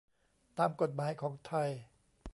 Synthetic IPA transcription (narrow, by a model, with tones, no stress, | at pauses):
t̪aː˧mko˨˩t̪̚maː˨˦jkʰɔː˩˦ŋt̪ʰa˧˩j